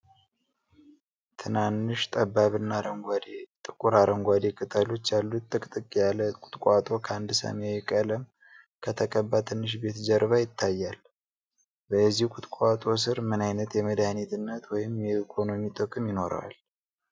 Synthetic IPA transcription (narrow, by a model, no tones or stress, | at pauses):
t̪ʰɨnanːɨʃt̪ʼəbaβɨnːaɾəŋɡʷad̪et̪ʼɨkʼuɾaɾʔəŋɡʷad̪ekʼɨt̪ʼəlo̞t͡ʃːjalːut̪ʼːɨkʼt̪ʼɨkʼjaləkʼʊ̥t̪ʼkʼʷat̪ʼo̞kʰəand̪sə̰mewɛkʼələm | kʰət̪ʰəkʼəbːat̪ʰɨnːɨʃ̬be̞t̪d͡ʒəɾβajɪt̪ʰːajːal | bəzːihukʷʼʊt̪ʼkʷʼat̪ʼo̞s̬ɨɾmɨnajnət̪jɛməd̪anit̪ɨnːət̪wɔjɪmjɛikʰo̞no̞mit̪ʼɨkʼɨmjɪno̞ɾə̰wa̰l